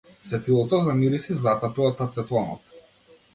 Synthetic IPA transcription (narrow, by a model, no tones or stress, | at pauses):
svɛt̪ilˠɔt̪ɔzamiɾisizat̪apiɔt̪ːat̪sɛt̪lˠɔnɔ̰t̪